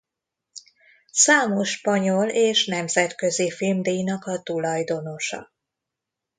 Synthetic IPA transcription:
saːmo̞ʃpɒɲo̞leːʃnɛmzɛt̪kø̞zifilmd̪ejnɒkɒt̪ulɒjd̪o̞no̞ʃɒ̰

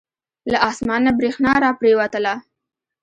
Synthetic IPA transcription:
laʔɑsmɑnːabɾexnɑɾɑpɾewat̪əla

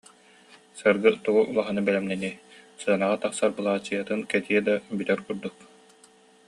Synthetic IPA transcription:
sɯɾɡɯt̪uɡuʔulˠaɦanɯbɛlɛmnɛnisɯɐnaʁat̪aχsaɾbɯlˠaːt͡ɕːɯjɐt̪ɯnkɛt̪iɛd̪abyt̪œɾkuɾd̪uk̚

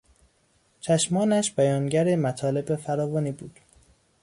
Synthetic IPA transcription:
t͡ʃʰæʃmɒːnæʃb̥æjɒːnɟæɾemæt̪ʰɒːle̞befæɾɒːvɒːniːbuːd̪̥

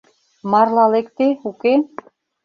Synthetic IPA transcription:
mɑrlɑlekt̪euke

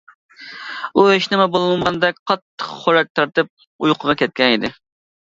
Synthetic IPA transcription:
ueʃnɪmɛbolˠɨlˠʁɑnd̪ɛk̚ʲqʰɑt̪ːə̥qχχoɾɛk̚ʲt̪ʰɑɾt̪ɨp̚ | ujqʰəʁɑkʲʰɛt̪̚kʲɛnid̪ɪ

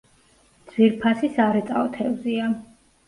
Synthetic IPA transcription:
dd̪z̥viɾpʰasisaɾɛt̪ʼa̰ɔt̪ʰɛvzia

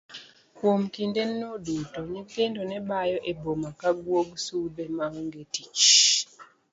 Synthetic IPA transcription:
kwomkindenːodutoɲikendonebajɔʔebomakaɡwoɡsubemaŋɔŋɡetit͡ʃ

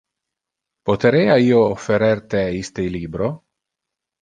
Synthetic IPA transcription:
pot̪eɾeːaiːoːfːeɾert̪eist̪eliːbɾo

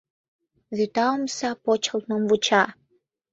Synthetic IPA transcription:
ðet̪ɑomsɑpot͡ɕə̆lt̪nomvut͡ɕɑ

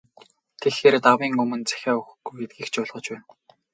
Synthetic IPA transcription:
t̪ʰexeːrt̪awiːŋɵmɵ̆nt͡sæ̥xʲæːɵxɡujɡet̪̚ɡiːxt͡ɕʊːɮʁɞ̆t͡ɕpæːn

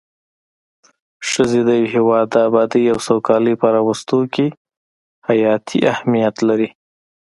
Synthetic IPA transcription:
ʂəzed̪əjaweɦewɑd̪ːəabɑd̪əjawsawkɑləjpaɾɑwəst̪oke | hajɑt̪ʰḭʔahmijat̪laɾi

